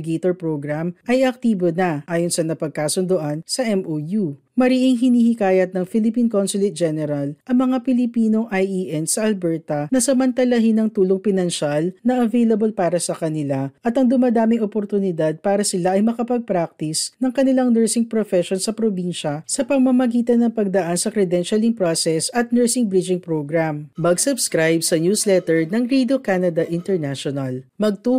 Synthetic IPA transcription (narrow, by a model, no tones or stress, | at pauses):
ɡejt̪oɹpɾoɡɾamʔɐjɐk̚t̪iːbonɐʔaːjonsɐnɐpɐɡ̚kaːsʊnd̪oʔɐnsɐʔɛmʔoju | mɐɾiʔɪŋɦɪniːhikaːjɐt̪̚nɐŋfɪlɪpinkonsʊlɪt̪̚d͡ʒɛnɛɾɐlʔɐŋmɐŋapɪlɪpiːno̞ŋʔajʔiʔɛnsɐʔɐlbɛɹt̪ɐnɐsɐmɐnt̪ɐlɐɦɪnɐŋt̪uːloŋpɪnɐnʃalnɐʔɐvejlɐbolpaːɾɐsɐkɐnɪlaʔɐt̪ɐŋd̪ʊmad̪aːmɪŋopoɾt̪ʊnɪd̪ad̪̚paːɾɐsɪlaʔɐjmɐkɐpɐɡ̚pɾak̚t̪ɪsnɐŋkɐnɪlaŋnɛɹsɪŋpɾofɛʃonsɐpɾobinʃɐsɐpɐmːɐmɐɡiːt̪ɐnːɐŋpɐɡ̚d̪ɐʔansɐkɾɛd̪ɛnʃɐlɪŋpɾosɛsɐt̪̚nɛɹsɪŋbɾid͡ʒɪŋpɾoɡɾammɐɡsʊbskɾajbsɐnjuslɛt̪ɛɹnɐŋɾid̪okanɐd̪ɐʔɪ̃nt̪ɛɹnaʃonɐlmɐɡ̚t̪u